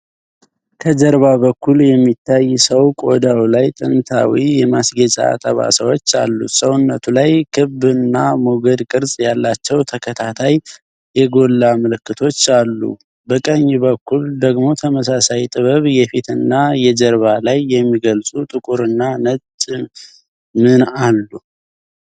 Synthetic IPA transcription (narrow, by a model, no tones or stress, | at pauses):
kʰəd͡ʒəɾβaβəkʰːuljɛmːit̪ʰːajsəwkʼo̞d̪awlajt̪ʼɨnt̪ʰa̰wijɛmasɡət͡ʃʼa̰a̰t̪ʼəβa̰səwot͡ʃːa̰lːṵsəwnːət̪ʰulajkʰɨbɨnːamuɡəd̪kʼɨɾsʼjalːat͡ʃːɛwt̪ʰəkʰət̪ʰat̪ʰaj | jɛɡo̞lːaməlɨkːɨt̪ʰo̞t͡ʃːalːṵ | bəkʼəɲːbəkʰːuld̪əɡmo̞t̪ʰəməsasajt̪ʼɨβəβjɛfit̪ɨnːajɛd͡ʒəɾβalajːɛmːiɡəlsʼut̪ʼɨkʼuɾɨnːanət͡ʃʼ | mɨnalːu